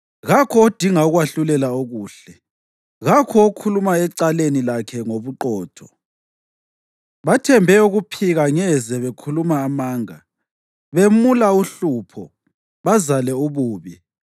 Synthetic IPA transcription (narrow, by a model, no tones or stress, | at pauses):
ɣakʰɔod̥ʱiŋauɣwaɬulɛlaoɣuːɬɛ | ɣakʰɔokʰulumaɛǀalenilakʰɛŋoβuǃɔːtʰɔ | βatʰɛmbʱɛuɣupʰiɣaŋɛzɛβekʰulumaːmaːŋa | βemulauɬupʰɔ | βazalɛuβuːβi